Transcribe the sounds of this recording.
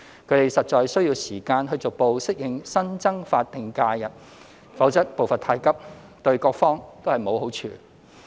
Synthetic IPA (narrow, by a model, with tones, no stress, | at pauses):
kʰɵ˨˧ɥt̪e˨jsɐ˨t̚t͡ʃɔː˨jsɵ˥ɥji˧wsiː˨˩kaː˧nɦɵ˧t͡sʊ˨k̚po˧wsɪ˥k̚jɪ˨˧ŋsɐ˥nt͡sɐ˥ŋfaː˧t̚t̪ːɪ˨ŋkaː˧jɐ˨t̚ | fɐ˨˥wt͡sɐ˥t̚po˨wfɐ˨nt̪ʰaː˧jkɐ˥p̚ | t̪ɵ˧ɥkɔː˧k̚fɔː˥ŋt̪o˥hɐ˨jmo˨˧who˨˥wt͡ʃʰy̰ː˧